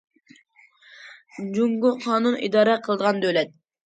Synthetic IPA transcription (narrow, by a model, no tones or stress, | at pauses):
d͡ʒuŋɡuqʰɑːnunḭd̪ɑːɾɛqʰəlˠəd̪əʁɑnd̪ølɛt̪̚